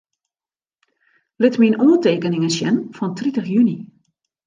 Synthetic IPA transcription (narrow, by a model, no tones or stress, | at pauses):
lɪtminoːteːkənɪŋəsjɛnfɔntʰritəxjyni